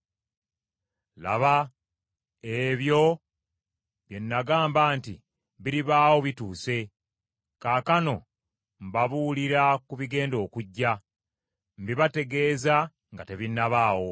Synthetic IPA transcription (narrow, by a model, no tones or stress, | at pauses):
la̰βa | eβjo̞ | βje̞nːaɡaːmbaːntḭ | βiɾiβaːwo̞βituːse̞ | kaːkano̞ | mbaβuuliɾakuβiɡe̞ːndo̞ːkuɟːa | mbiβate̞ɡe̞ːza | ŋɡate̞βinːaβaːwo̞